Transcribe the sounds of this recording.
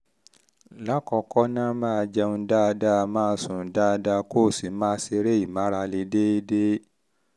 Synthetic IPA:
la˦kɔ˧kɔ˦nãː˦mãː˦˧d͡ʒɛ˧ũ˧daː˦˧da˦˧mãː˦˧˦sũ˨˦daː˦˧da˧ko˦˨si˨˦mãː˦se˧ɾe˦i˨mã˨˦ɾa˧le˧˦de˦i˦de˦

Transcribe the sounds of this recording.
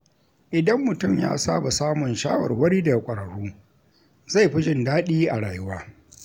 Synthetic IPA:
ʔɪ˨dɐ˦mːʊ˨tʊ˦˨mja̰ː˦saː˦ba˨saː˦mʊ˨nʃaː˦wɐ̰˨rwɐ˦ɽiː˦da˨a˨kʷʼɐ˨ɽɐ˨ɽuː˦ | za˦˨jɸɪ˦d͡ʒɪ˦ndaː˦ɗiː˦ʔa˨ɽaː˨jʊ˦waː˦

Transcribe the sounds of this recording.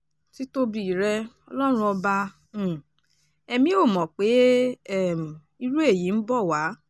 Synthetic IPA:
ti˨˦to˦bi˨ɾɛ˧ɔ˧lɔ˦ɾ̃ũ˧˦ɔ˧bã˧˨ | ɛ˧mĩ˧˦o˦˨mɔ̃˨k͡pe˨˦˨ | m˨ | i˧ɾu˦e˦˨ji˨˦n̩˦bɔ˦˨wa˨˦

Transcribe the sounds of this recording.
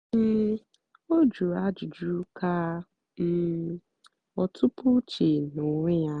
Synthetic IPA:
m̩˦˨ | o˦d͡ʒu˨a˦d͡ʒu˨d͡ʒu˦ka˦ | m̩˨ | ɔ˨tʰʊ˦pʊ˦t͡ʃe˨nʊ˨ŋʷe˦ja˦

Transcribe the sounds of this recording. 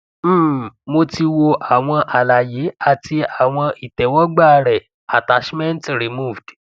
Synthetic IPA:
m̩ː˦˨mo˧ti˧wo˧ʔa˨w̃ɔ̃˧ʔa˨la˨je˨˦a˦˨ti˧a˨w̃ɔ̃˧ʔi˨tɛ˨wɔ˦ɡ͡ba˦˧ɾɛ˨ | a˨ta˨˧˦ʃmɛ̃˦ntɾi˨mu˦˨vd̥

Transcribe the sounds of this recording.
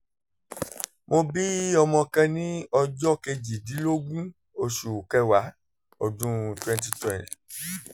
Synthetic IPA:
mo˧bi˦ɔ˧mɔ̃˧kã˧nĩ˦ɔ˧d͡ʒɔ˦ke˧d͡ʒi˨di˨˦lo˦ɡ͡bũ˦ | o˧ʃu˨kɛ˧˦wa˨˦ | ɔ˨dũ˦twɛ̃˧nt̬i˧twɛ̃˨nt

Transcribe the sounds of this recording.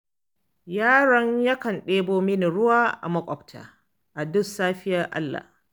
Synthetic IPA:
jaː˦ɽɔ˦ɲjɐ˦kɐ˨nɗeː˦boː˦mɪ˦ni˨ɽʊ˦waː˦ʔa̰˨mɐ˦kʷʼɔ˨btʰa̰ː˨ | ʔa˨dʊ˦saː˦ɸɪ˦jɐ˦rʔa̰˦lːa̰˨h

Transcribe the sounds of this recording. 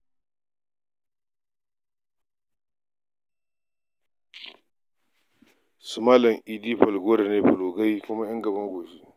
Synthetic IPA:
sʊ˨ma˦lɐ˨ŋʔi˨diː˦ɸɐ˨lɡoː˦ɾa˨neː˦ɸɐ˨loː˨ɡa˦jkʷʊ˦ma˦jɐ˦ŋɡɐ˨bɐ˦ŋɡʷoː˨ʃi˦

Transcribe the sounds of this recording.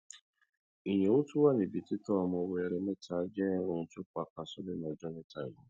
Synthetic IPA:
i˨ɲe˨u˦tu˦wa˦ni˨bi˨ti˦tɔ˦˨m˨o˨we˨ɾe˨me˦ta˨˦d͡ʒɛ˦ʊ˨n̩˨tʊ˦k͡pa˨ka˨sɔ˦dɪ˦nɔ˨d͡ʒɔ˦ne˦ta˨ʊ˨˦

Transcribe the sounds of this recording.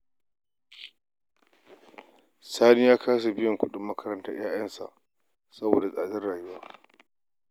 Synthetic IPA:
saː˦ni˦jaː˦kʰaː˦s̬a˨bɪ˦jɔ˨ŋkʷʊ˦ɗɪ˨mːɐ˦kɐ˦ɾɐ˦ntaː˦j̰aː˦jɐ˦nsa̰˨ʔ | sɐ˦bo̰ː˨da˨sʼaː˨dɪ˦rɽaː˨jʊ˦waː˦

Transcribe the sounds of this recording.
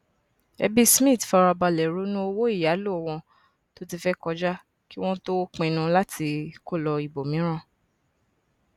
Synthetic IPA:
ɛ̰˧bi˦smĩ˦˨tfa˧ɾa˧ba˧lɛ˨ɾu˨˦nũ˦o˧wo˦i˦˨ja˨˦lo˦ɔ˨w̃ɔ̃˧ | to˦ti˧fɛ˦kɔ˧d͡ʒa˦ | ki˦w̃ɔ̃˦to˦k͡pẽ˧nũ˧la˦tʰi˧ko˦˨lɔ˧i˨bo˨mĩ˨˦ɾ̃ã˦˨

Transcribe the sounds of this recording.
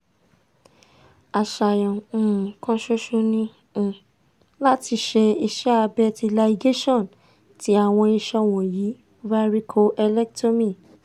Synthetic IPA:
a˨ʃa˨jɔ̃˨kã˦ʃo˦ʃo˧nĩ˦˧ | la˦ti˧ʃe˧i˧ʃɛ˦a˧bɛ˦ti˧la˧i˧ɡe˦ʃɔ̃˦˨n | ti˨˦a˨w̃ɔ̃˧i˧ʃɔ˧w̃ɔ̃˨ji˨˦ | va˦ɾi˦kʰo˧ʔɛ˧lɛ˦k̚to˦mĩ˦˨

